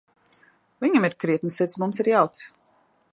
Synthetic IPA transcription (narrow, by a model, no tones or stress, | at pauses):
viɲamiɾkɾiɛt̪nɨsɛt̪smumsiɾjawt̪